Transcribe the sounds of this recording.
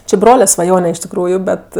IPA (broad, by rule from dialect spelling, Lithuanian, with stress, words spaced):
t͡ʃʲɪ ˈbroːlʲɛ sʋɐˈjoːnʲɛ ɪʃ tʲɪkˈruːjʊ ˈbʲɛt